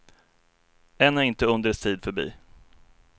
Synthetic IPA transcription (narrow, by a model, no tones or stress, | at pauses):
ɛnːæɾɪnt̪əɵnd̪əɾst̪ʰiːd̪fœbḭː